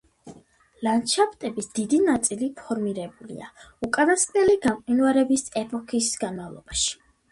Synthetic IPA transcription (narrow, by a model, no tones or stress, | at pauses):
lant͡ʃʰapʼt̪ʼɛbisd̪̥id̪inat̪sʼilipʰɔɾmiɾɛbulḭa̰ukʼanaskʼnɛliɡamqʼinuaɾɛbisɛpʰʼɔkʰisɡ̥anmavlˠɔ̰baʃi̥